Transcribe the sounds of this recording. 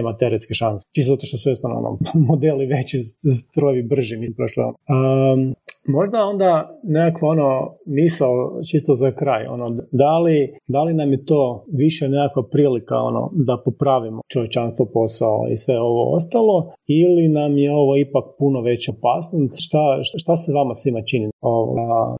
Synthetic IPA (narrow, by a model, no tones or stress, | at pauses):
emat̪eɾet̪skeʃanse̥t͡ʃisoat̪oʃt̪osuest̪ono̰no̰mod̪eliʋe̞t͡ɕizt̪ɾojʋibr̩ʒimimpɾoʃl̰ə | mo̞ʒd̪ao̞nd̪anekakʋao̞no̞misaot͡ʃist̪ozakɾaːjo̰nod̪alid̪alinamjet̪o̞ːʋiʃenekakʋapɾiːlika̰o̰no̰d̪apopɾaʋimot͡ʃoʋje̞t͡ʃanst̪ʋopo̞sao̰ḭsʋe̞o̞ʋo̞̰o̰st̪alˠo̞ilinamjeo̞ʋo̞ipak̚punoʋe̞t͡ɕo̞pasniʃt̪aʃʃt̪aseʋamasʋimat͡ʃinio̞ʋa̰